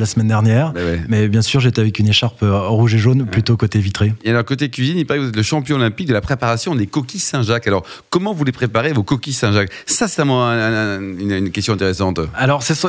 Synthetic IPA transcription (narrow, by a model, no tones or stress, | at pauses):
lasmɛnd̪ɛʁnjɛːʁbɛwɛmɛbjɛ̃syʁʒet̪eavɛkyneʃaʁpʁuʒeʒonplyt̪okot̪evit̪χeealɔʁkot̪̬ekʲɥizinilpaʁɛkvuzɛt̪ləʃɑ̃pjɔ̃ɔlɛ̃pik̚d̪əlapχepaʁasjɔ̃d̪ekɔkʲisɛ̃ʒakalɔʁkɔmɑ̃vulepχepaʁevokɔkʲisɛ̃ʒaksasɛ̥t̪ɛ̃mɔ̃ɛ̃ynnkʲɛst̪jɔ̃ɛ̃t̪eʁesɑ̃t̪alɔʁsɛs